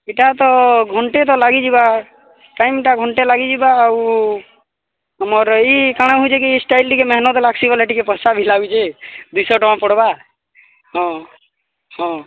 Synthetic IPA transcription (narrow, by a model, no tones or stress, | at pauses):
eʈat̪ɔɡʱɔɳʈet̪̬ɔlaɡid͡ʒiba | ʈajmʈaɡʱɔɳʈelaɡid͡ʒibaːw | ɦəmɔɾikaɽ̃aɦud͡ʒʰekisʈaɪlɖikemɛɦnɔt̪laksibɔleʈikepəsabʱilaɡut͡ʃʰed̪usɔʈɔwãpɔɽba | ɦɔ̃ | hɔ̃